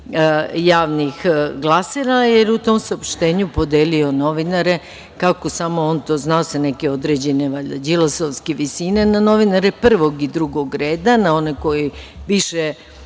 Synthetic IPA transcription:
jaːʋnixɡlˠaseɾajeɾut̪o̞msaopʃt̪e̞ːɲupo̞d̪eːlio̞no̞ʋinaɾe̞ | kako̞samo̞ont̪o̞ːznaosenekeo̞d̪ɾe̞d͡ʑe̞neʋaʎad͡ʑilˠosoʋskeʋisine̞nano̞ʋinaɾepr̩ʋo̞ɡid̪ɾuɡo̞ɡɾeːd̪anao̞neko̞jiʋiʃe

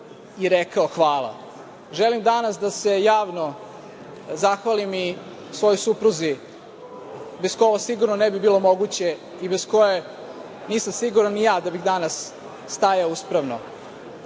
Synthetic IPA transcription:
iɾekaoxʋaːlˠa̰ | ʒelimd̪anasd̪ase̞jaːʋno | zaxʋalimi | sʋo̞jojsupɾuzi | beskoʋosiɡuɾnonebibiːlo̞mo̞ɡut͡ɕe̞ | ibesko̞je | niːsamsiɡuɾanːijaːd̪abixd̪anasː | t̪ajauspɾaʋno̰

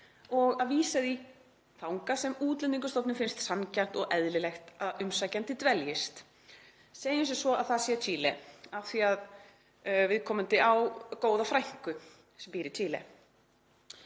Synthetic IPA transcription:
ɔɣaðviːsaði | θawŋkasɛmuːt̪lɪniŋkʏst̪ɔpnɪfɪnst̪sancan̥t̪ɔɣʔɛðlɪlɛxt̪aðʏmsacant̪ɪt̪vɛljɪst̪ | seːjʏnsɛsvɔa̰ðθasjɛt̪ʰiːlɛawθiað | vɪðkʰɔːmʏnt̪ɪʔawkoːwðafɾajŋ̥kʏ | sɛmpiːɾɪt̪ʰiːlɛ̰

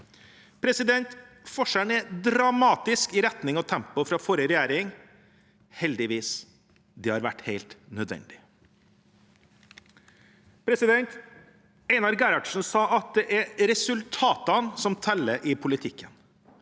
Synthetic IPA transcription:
pʰɾɛsɪd̪ɛnt̪ | fɔʂænɛd̪ɾɑmɑːt̪ɪskɪɾɛt̪nɪŋɔt̪ʰɛmpʊfɾɑfɔɾəɾɛjæːɾɪŋ | hɛld̪ɪʋiːs | d̪ɛhɑɾʋæʈːheɪlt̪nœd̪ʋɛ̰nd̪ɪ | pʰɾɛsɪd̪ɛnt̪ | ɛɪnɑɾɡæɾɑɖ̥ʂn̩sɑːʔɑt̪̚d̪ɛʔæɾɾɛsʉlt̪ʰɑːt̪ənsɔmt̪ʰɛlːəʔɪpʰʊlɪt̪ʰɪkʰːən

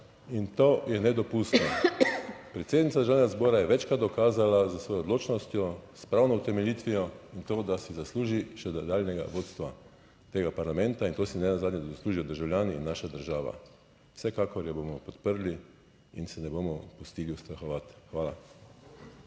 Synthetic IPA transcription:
int̪oːjɛnɛd̪ɔpust̪nɔ | pɾɛt̪seːd̪nit̪sad̪ɾʒawnjɡazbɔːɾajɛʋɛt͡ʃkɾatd̪d̪ɔkaːzalazəsʋɔːjɔɔd̪loːt͡ʃnɔst̪jɔspɾawnɔʊt̪ɛmɛlʲjit̪ʋijɔint̪oːd̪asizasluːʒiʃɛd̪d̪aːlnɛɡa̰ʋoːt̪st̪ʋa | t̪eːɡapaɾlamɛnt̪aint̪oːsinɛnazaːd̪njɛd̪asluːʒijɔd̪əɾʒawlʲjaːnḭːnːaʃad̪əɾʒaːʋa̰ | wsɛkaːkɔɾjɛbomɔpɔt̪pəɾli | insɛnɛbomɔpust̪iːliust̪ɾaxɔʋat̪xʋaːla̰

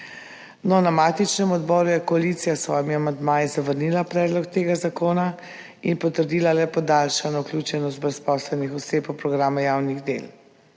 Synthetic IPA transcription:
nɔnamaːt̪it͡ʃnɛmɔd̪bɔːɾujɛkɔalit̪sijasʋɔːjmiamand̪maːjizaʋəɾnilapɾɛːd̪lɔkt̪eːɡazakoːna | inpɔt̪əɾd̪iːlalɛpɔd̪alʃanɔuklʲuːt͡ʃɛnɔst̪̚bɾɛspɔːslɛnixɔseːpɔpɾɔɡɾaːmajaːwniɣd̪ḛl

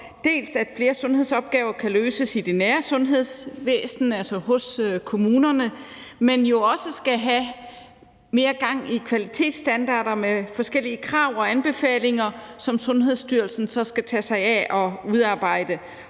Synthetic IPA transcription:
d̥e̝̰ːlsæd̥fle̝ːɐsɔ̽nɦe̝ðˠsɒ̽b̥̚ɡ̥ɛːʊɐkʰæløːsəsid̥e̝næːɐsɔ̽nɦe̝ð̰ˠsʋḛːsn̩ælsɐhɔ̽søkʰo̝muːnɐnəmenjo̝ɒ̽səsɡ̥æɦæ | me̝ːɐɡ̥ɑ̈ŋ̰ikʰʋælit͡sʰe̝̰ːd̥sd̥ænd̥ɑ̰̈ːɾ̥ɐmefɒ̽sɡ̥el̰iəkʰʁɑ̈ʊ̰ɒ̽ænb̥e̝fɛ̰ːle̝ŋɐsɒ̽msɔ̽nɦe̝ðˠsd̥yɐlsn̩sɒ̽sɡ̥æt͡sʰɛsɑ̈ɪæʔɒ̽uðˠɑ̈ːb̥ɑ̈ɪ̰d̥ə

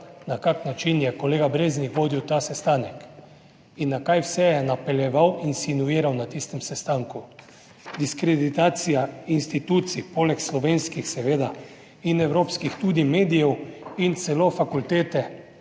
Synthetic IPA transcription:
nakaknat͡ʃinjɛkoleːɡabɾeːznikʋoːd̪iwt̪aːsɛst̪aːnɛk | inːakajwsɛjɛnapɛljɛʋawinsinuiːɾawnat̪ist̪ɛmsɛst̪aːŋku | d̪iskɾed̪it̪aːt̪sijainst̪it̪uːt̪sipoːlɛkslɔʋeːnskixsɛʋeːd̪a | inɛwɾoːpskixt̪uːd̪imeːd̪ijɛwint̪sɛlofakult̪eːt̪ɛ

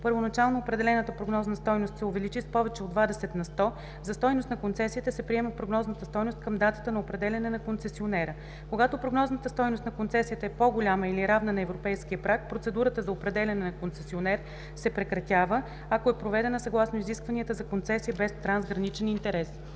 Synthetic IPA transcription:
pəɾvonɐt͡ʃalˠnoːpɾɛd̪ɛlɛnət̪əpɾoɡnɔznɐst̪ɔjnost̪sɛovɛlit͡ʃispɔvɛt͡ʃɛod̪vad̪ɛsɛt̪nɐst̪ɔ | zɐst̪ɔjnost̪nɐkont̪sɛsiːt̪ɛsɛpɾiɛməpɾoɡnɔznət̪əst̪ɔjnost̪̚kəmd̪at̪ə̥t̪ənɐopɾɛd̪ɛlʲɐnɛnɐkont̪sɛsionɛɾə | koɡat̪opɾoɡnɔznət̪əst̪ɔjnost̪nɐkont̪sɛsijət̪əɛpoɡolʲaməiliɾavnənɐɛvɾopɛjsk̟iəpɾak̚pɾot̪sɛd̪uɾət̪əzɐopɾɛd̪ɛlʲɐnɛnɐkont̪sɛsionɛɾ | sɛpɾɛkɾɐt̪ʲavə | akoɛpɾovɛd̪ɛnəsɐɡlˠasnoiziskvɐniət̪əzɐkont̪sɛsiəbɛst̪ɾanzɡɾɐnit͡ʃɛnint̪ɛɾɛs

